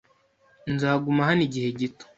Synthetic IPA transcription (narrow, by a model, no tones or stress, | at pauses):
nzaːɡumaɦaniɟihe̞ɟito̥